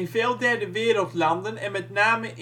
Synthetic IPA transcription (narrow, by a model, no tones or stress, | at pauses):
nveːlˠdɛɹdəʋɪːɾəlˠtlɑndənɛnmɛtnaːməʔ